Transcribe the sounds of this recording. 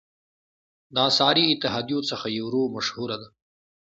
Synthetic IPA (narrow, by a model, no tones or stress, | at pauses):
d̪ɑːsɑːɾiɪt̪ɪɦɑːd̪ijõt͡səxajewɾoːmɐʃhuɾad̪a